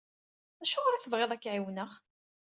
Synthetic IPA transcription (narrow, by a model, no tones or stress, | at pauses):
æʃʊʁɾæθəvʁeðˤækːʕiwnəχ